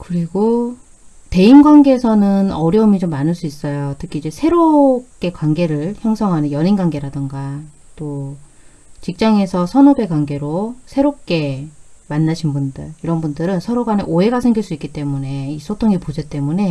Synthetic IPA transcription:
kɯɾiɡo | te̞inɡwanɡe̞ːsʰʌnɯnʌɾjʌmit͡ɕomːanɯɭs͈uis͈ʌjotʰɯkʰiid͡ʑe̞sʰe̞ɾok͈e̞kwaŋɡe̞ɾɯɭçjʌŋsʰʌŋɦanɯnjʌninɡwaŋɡe̞ɾadɯŋɡa | t͈o | t͡ɕik̚t͡ɕ͈aŋe̞sʰʌsʰʌnʌbe̞kwaŋɡe̞ɾosʰe̞ɾop̚k͈e̞manːaɕʰinbundɯɾiɾʌnbundɯɾɯnsʰʌɾoɡaneʔoɦe̞ɡasʰe̞ŋɡiɭs͈uik͈it͈e̞mune̞is͈ʰotʰoŋipod͡ʑet͈e̞mune̞

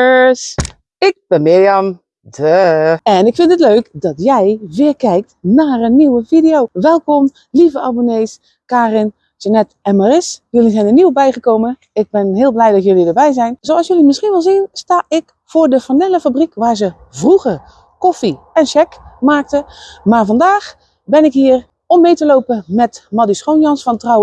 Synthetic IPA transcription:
s | ɪk̚b̥ɛnmɪjəm | dəɛnɪkfɪntətløːkdɔtjɛjʋɪːrkɛjk̚tnaːrənːiwəfidijoːʋɛlˠkɔm | livəaboneːs | kaːrɪn | d͡ʒanɛtɛnmarɪsjølizɛjndəniwəbɛjχəkoːmə | ɪɡ̚bɪnɦɪːlˠblɛjdɑtjølidəbɛjzɛjnzowɑlˠsjølimɪsχinʋɪlˠzinstaːʔɪk | foːɹdəfənɪlˠəfabrikʋaːɹzə | vruɣər | kɔfi | ɛnʃɛkmaːk̚təmaːɹvɑndaːx | bɪnɪkɦiːər | ɔmːejtəlowpəmɛtmɑdisχownjɑnsfɑntraw

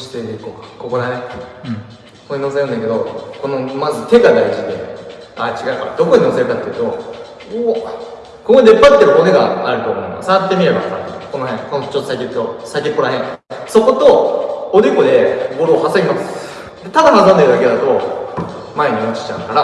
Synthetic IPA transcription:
ɕi̥t̪ekokako̞ko̞d̪anet̪ː | koɲʲino̞s̬eɾɯnẽke̞d̪o̞ko̞no̞mazɨt̪e̞ɡad̪aiʑid̪e̞̰ | at͡ɕiɡaɯ̟ka̰ɾa̰d̪o̞ko̞ɲ̟ino̞se̞ɾɯ̟kat̪ːeiɯ̟t̪o̞ | o | kokoid̪e̞pːat̪ːeɾkoneɡa̰aɾɯ̟t̪o̞̰ːmo̞ima̰sat̪ːe̞mʲiɾe̞ba̰sa̰ko̞noɦẽŋkonot͡ɕot̪ːosaikʲokːosaikʲekːoɾaɦẽŋso̞ko̞t̪o̞od̪eko̞d̪e̞bo̞ɾoːhaseɡʲimasɨ̥ɨ̥ | d̪et̪ad̪amazãnd̪eɾɯd̪aked̪at̪o̞ | maeɲ̟iot͡ɕi̥t͡ɕa̰ɯkaɾa

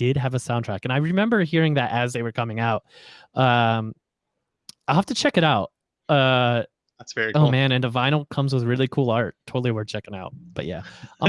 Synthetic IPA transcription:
d̥ɪd̚ɨvəsãʊ̃ntʰɹ̥ækɨ̃ñaɪɹɨmɛ̃mbə˞hiɹɪ̃ŋðɨɾʔɨzðeɪwə˞kʰʌmɪ̃ŋaʊt̚ʔʌ̃m | aɪhæftɨt͡ʃʰɛkɨɾaʊt̚ | ʌ | ðætsv̥ɛɹioʊmæ̃nɨ̃nɨvãɪ̃nl̩ˠkʰʌ̃mzwəðɹɪlˠikʰulˠɑɹtʰoʊɾl̩ˠiwəɹt͡ʃʰɛkɪ̃ŋaʊt̚b̥ʌ̰ʔ̚jæ̰

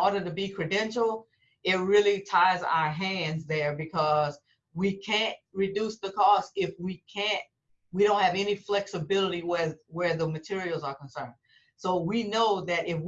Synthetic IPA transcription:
ɔɹɾə˞ɾɨbikʰɹ̥ɨdɛ̃nʃl̩ˠ | ɪt̚ɹɪlˠitʰaɪza̰ʊə˞ɦæ̃ndzðə˞bɨkʰʌz | wikʰæ̃nt̚ɹɨdusðəkʰɔstɪfwikʰæ̃nt̚ | wiɾõʊ̃n̚hɨvɛniflɛksɨbɪlˠəɾiwəwə˞ðəmɨtʰɪɹil̩ˠzə˞kə̃n̩sɜ̃˞n̥̚ | soʊwinoʊðɨɾʔɪf

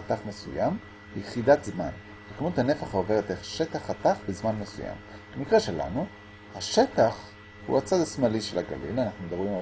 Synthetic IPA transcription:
ataχme̞sujam | jeχidat̪zman | vekamut̪hane̞faχaove̞ʁet̪eχʃe̞t̪aχat̪aχbezmanmesuja̰m | b̥emikʁeʃela̰nu | haʃe̞taχ | hṵat͡sad̪asmaliʃḛlaɡa̰lḭlanaχnumed̪abʁima

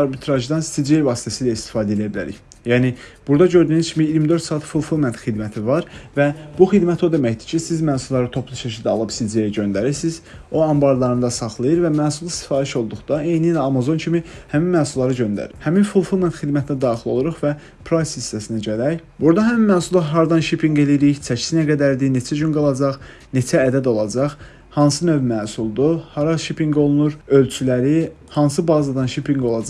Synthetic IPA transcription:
ɑɾbit̪ʰɾɑʒd̪ɑnst̪id͡ʒiejvɑːst̪ʰæsiːlæist̪i̥fɑːd̪æelijæbilæɾḭç | jæːnib̥uɾd̪ɑɟø̞ɾd̪yːnyzcʰimiiɾmid̪øɾt̪sɑːɑt̪fulˠfulˠment̪xid̪mæt̪ʰivɑɾvæb̥uxid̪mæt̪ʰo̞d̪e̞mæçd̪icʰisizmæːsulːˠɑɾɯt̪ʰo̞pʰlˠuʃæʃʰid̪æɑ̰lˠɯbsid͡ʒejiɟø̞nd̪æɾiɾsiz̥ | o̞ɑmbɑɾlˠɑɾɯnd̪ɑsɑχlˠɯjɯɾvæmæːsulˠist̪i̥fɑːɾiʃo̞lˠd̪uχd̪̥ɑe̞jnilæɑmɑzo̞ncʰimihæminmæːsulːˠɑɾɯɟø̞nd̪æ̰ɾhæminfulˠfulˠnenxid̪mæt̪ʰinæd̪ɑːχilˠo̞lˠuɾuχvæ | pʰɾajsist̪æsinæɟælæjbuɾd̪ɑɦæminmæːsulˠɑɦɑɾd̪ɑnʃipʰiŋɡe̞liɾiçt͡ʃʰæcʰsinæɡæd̪æɾd̪ine̞t͡ʃʰæd͡ʒynɡɑlˠɑd͡ʒɑχ | ne̞t͡ʃʰæːd̪æd̪o̞lˠɑd͡ʒɑχ | hɑns̬ɯnøvmæːsulˠd̪uhɑɾɑʃipʰiŋɡo̞lˠunuɾø̞lt͡ʃʰylæɾi | hɑns̬ɯbɑːzɑd̪ɑnʃipʰiŋɡo̞lˠɑd͡ʒɑ

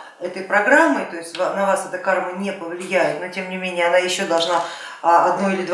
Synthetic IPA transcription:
ɛt̪əjpɾɐɡɾamːɨjt̪o̞ɪsʲtʲvanɐvasɛt̪əkarmənʲepəvlʲɪjæjɪt̪no̞tʲe̞mnʲɪmʲenʲɪjəɐnajɪɕːo̞d̪ɐlˠʐna | ɐd̪noɪlʲɪd̪v

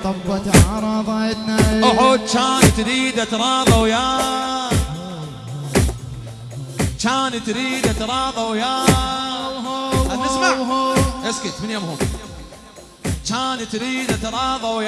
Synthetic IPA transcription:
t̪ˤɑb̪ːʕɑɾˤɑðˤʕɪd̪naʊħoːd̪̚t͡ʃaːnt̪ɾiːd̪at̪ɾˤɑːðˤɑwja | t͡ʃaːnt̪ɾiːd̪at̪ɾˤɑːðˤɑwja | anːɪsmaʔɪskit̪mɪnjoːmhuːn | t͡ʃaːnt̪ɾiːd̪at̪ɾˤɑːðˤɑwj

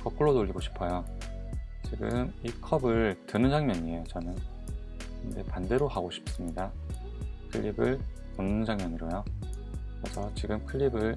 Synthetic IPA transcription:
kʌk̚k͈uɭːonoʎːiɡoɕʰi̥pʰʌjo | t͡ɕiɡɯmikʰʌbɯɭtɯnɯnd͡ʑaŋmjʌɲiejot͡ɕʌnɯn | ind͡ʑe̞̰pande̞ɾohaɡoɕʰi̥p̚s͈ɯmɲida | kʰɯʎːibɯɭ | tɯnɯnd͡ʑaŋmjʌɲiɾojo | kɯɾe̞sʰʌt͡ɕiɡɯmkʰɯɭːibɯɭ

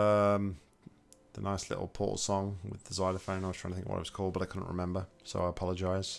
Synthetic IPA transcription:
ʌ̃m | ðənaɪslɪ̰ʔl̩ˠpʰɔ̰ˑʔl̩ˠsɔ̃ŋwɪ̰ðəzaɪɾəfə̃ʊ̃naɪwztɹ̥aɪ̃ŋtθɪ̃kəwʌ̰a̰ɪwʌ̥z̥kʰɔlˠd̚bʌɾaɪkʰʊdⁿn̩ʔɹɪ̰mɛ̃mbəsoʊaɪəpʰɑlˠəd͡ʒaɪz̥

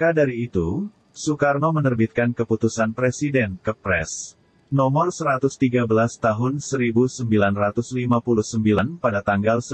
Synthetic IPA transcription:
kadaɾiːt̪u | sukarnomənərbit̪̚kankəput̪usanpɾesidɛnkəpɾɛ̰s | nomɔrsəɾat̪ʊst̪iɡabəlast̪aɦʊnsəɾibusəmbilanrat̪uslimapuluhsəmbilanpadat̪aŋɡalsə

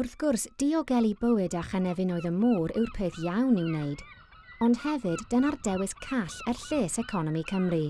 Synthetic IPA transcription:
ʊrθɡ̥ʊrsd̥iɔɡɛlˠibəwɨdaχanɛvɨnɔɨðəmuːɾɪwrpʰeːθjawnɪwneɨd | ɔnd̥hɛvɨd̥ːənardɛwɨskʰaɬɛrɬeːsɛkʰɔnɔmikʰəmri

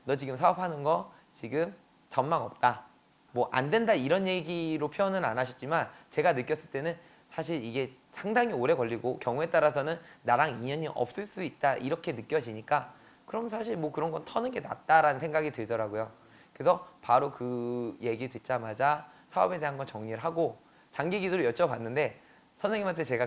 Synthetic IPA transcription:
nʌt͡ɕiɡɯmsʰaʌpʰanɯnɡʌ | t͡ɕiɡɯm | t͡ɕʌnmaŋʌp̚t͈a | mwʌʔa̰ndwe̞ndaiɾʌnje̞ɡiɾopʰjoʌnɯɾa̰naɕʰʌ̥t̚t͡ɕ͈imant͡ɕe̞ɡanɯk͈jʌs͈ɯɭt͈e̞nɯn | sʰaɕ̬ʰiɾiɡe̞ | sʰaŋdaŋioɾe̞kʌʎːiɡokjʌŋue̞t͈aɾasʰʌnɯnːaɾaŋiɲʌɲiʔʌ̰p̚s͈ɯɭs͈uit̚t͈aʔiɾʌkʰe̞nɯk͈jʌd͡ʑiɲik͈a | kɯɾʌmnsʰaɕʰiɭmwʌkɯɾʌnɡʌntʰʌnɯnɡe̞na̰t̚t͈aɾanɯnsʰe̞ŋɡaɡitɯɭdʌɾaɡojo | kke̞sʰʌpaɾokɯje̞ɡitɯt̚t͡ɕ͈amad͡ʑasʰaʌbe̞de̞ɦanɡʌnt͡ɕʌŋɲiɾɯɭɦaɡo | t͡ɕaŋɡiɡidoɾɯjʌt͡ɕ͈ʰʌpanːɯnde̞ | sʰʌnsʰeŋimantʰet͡ɕe̞ɡa

